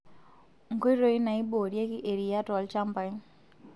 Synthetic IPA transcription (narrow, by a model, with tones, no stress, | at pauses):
ŋ̩˨ko˦i˦ɾo˦i˦na˨i˦bo˨ɾje˦ki˦ʔe˨ɾi˨ja˦tɔ˨lt͡ʃa˦mpa˨˦n